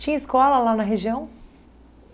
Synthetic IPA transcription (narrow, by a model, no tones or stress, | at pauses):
t͡ʃĩiskɔlɐlanɐɦeʒiɐ̃w̃